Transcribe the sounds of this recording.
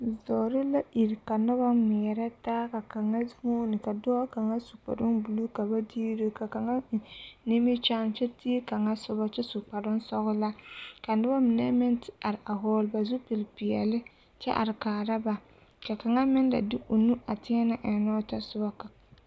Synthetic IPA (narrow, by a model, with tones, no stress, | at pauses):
zɔː˨ɾɪ˦la˦ʔi˨ɾka˨nʊ˦ba˦mɛ˨ɾa˦taː˦ka˨ka˨ŋa˦hoː˦nɪ˨ka˨dɔː˦ka˨ŋa˦su˨pa̰˨ɾʊ˦nbu˨lu˦ka˨ba˦diː˦ɾɪ˦ka˨ka˨ŋa˦˨ni˦mɪ˦t͡ʃa˦n˦t͡ʃɛ˦ti˦ka˨ŋa˦sʊ˦ba˦t͡ʃɛ˦sʊ˨k͡pa˨dʊ˦n˦sɔ˦ɣʊ˦la˦ka˨nʊ˦ba˦mɪ˨nɛ˦mɪ˦ntɪ˨˦a˨ɾɪ˨a˨ɦɔː˦lba˨zʊ˦pɪ˨lpɪ˨ɛ̰˨lɪ˦ | t͡ʃɛ˦ʔa̰˨ɾɪ˨kaː˨ɾa˦ba˨ | ka˨ka˨ŋa˦mɪ˦nda̰˨dɪ˦ʔo˨nu˦ʔa˨tɪ˦ɛ˦na˦ʔɛ˨nɔː˦ta˦sʊ˦ba˦ka˨